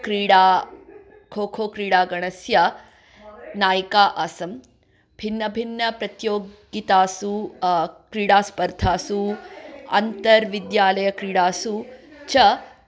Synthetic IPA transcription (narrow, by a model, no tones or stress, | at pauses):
kɾiːɽaː | kʰoːkʰoːkɾiːɽaːɡɐɳɐsjɐ | naːjikaːʔaːsɐm | bʱinːɐbʱinːɐpɾɐt̪joːɡ | it̪aːsu | kɾiːɽaːspɐɾd̪ʱaːsu | ɐ̰nt̪ɐɾʋid̪jaːlɐjɐkɾiːɽaːsu | t͡ʃɐ